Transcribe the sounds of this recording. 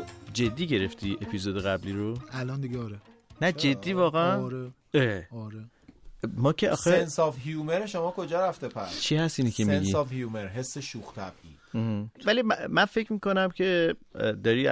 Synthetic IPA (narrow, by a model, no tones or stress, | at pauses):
d͡ʒe̞d̪ːiːɟe̞ɾe̞ft̪ʰiʔe̞pʰizod̪eɣæbliːɾoælɒnd̪iɡeɒɾe | næd͡ʒe̞d̪ːiːvɒːɣæænɾe | eɒɾe | mɒːcʰeʔɒ̰ːxeensɒːfɦijumeɾeʃomɒːkʰo̞d͡ʒɒːɾæft̪epʰæɾt͡ʃʰihæst̪iːnicʰeminɟiɒːfhjumeɾɦe̞sːeʃuxt̪ʰæb̥ʔiː | h̩vælimmænfe̞cʰmiːko̞næmcʰe̞d̪ɒːɾiː